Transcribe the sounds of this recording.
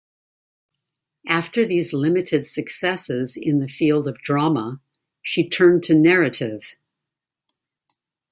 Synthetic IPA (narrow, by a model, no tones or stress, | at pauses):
ʔæftə˞ðizlɪ̃mɨɾɨd̥sɨksɛsɪzɪ̃nðɨfilˠdʌvdɹɑmə | ʃitʰɜ̃˞ntʰɨnɛɹɨɾɪv̥